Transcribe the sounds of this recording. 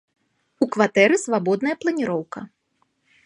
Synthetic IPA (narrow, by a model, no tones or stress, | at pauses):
ukvat̪ɛɾɨsvabɔd̪nɐjɐplˠɐnʲiɾɔwkɐ̰